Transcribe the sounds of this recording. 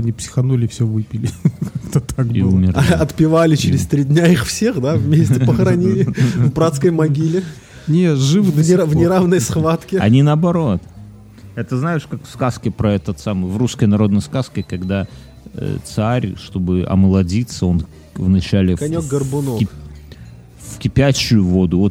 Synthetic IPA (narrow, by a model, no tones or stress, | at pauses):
ɐnʲipsʲɪ̥xɐnolʲɪfsʲɵvɨpʲɪlʲɪkakt̪ət̪ak̚bḭumʲɪrɐt̪pʲɪvalʲɪt͡ɕɪɾʲɪst̪ɾʲidʲnʲaixfsʲe̞xd̪avmʲesʲtʲɪpəxɾɐnʲilʲɪvbɾat̪skəjmɐɡʲilʲɪ | nʲet̪ʐɨvvnʲɪvnʲɪɾavnəjsxvat̪kʲɪɐ̰nʲinəɐbɐɾo̞t̪ | ɛt̪əznajɪʂkakfskaskʲɪpɾɐɛt̪ət̪samɨjvruskəjnɐɾo̞d̪nəjskaskʲɪkɐɡd̪a̰ | t̪saɾʲʂt̪o̞bɨɐ̰məlˠɐdʲit̪səo̞n | vnɐt͡ɕælʲɪkɐnʲokɡərbʊno | fkʲɪpʲæɕːʊjʊvod̪ʊvot̪